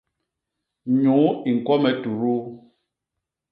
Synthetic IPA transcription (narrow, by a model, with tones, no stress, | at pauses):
ɲu˨˦i˨ŋ̩˨kwɔ˦mɛ˨tu˨ɾu˦